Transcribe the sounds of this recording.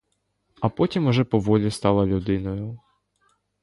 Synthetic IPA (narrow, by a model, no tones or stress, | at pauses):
ɐpɔtʲimʊʒɛpɔʋɔlʲist̪ɑlˠɐlʲud̪ɪnɔjʊ